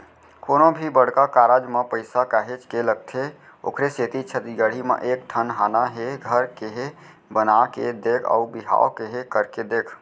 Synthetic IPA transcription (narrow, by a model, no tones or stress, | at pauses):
koːnobʱibəɽkakaɾad͡ʒmẽpəɪsakaɦet͡ʃkeləɡ̚t̪ʰe | o̰kɾeset̪it͡ʃʰət̪iɡəɽ̤imḛʔek̚ʈ̪ʰənɦanaɦeɡʱəɾkeɦe | bənaked̪ekʰa̰ubiɦa̰okeɦekəɾked̪ekʰ